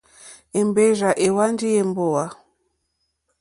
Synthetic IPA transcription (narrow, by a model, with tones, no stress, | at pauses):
e˨mbe˦ʒa˨ʔe˨wa˦n˦d͡ʒi˦e˦˨m˦bo˦˨wa˨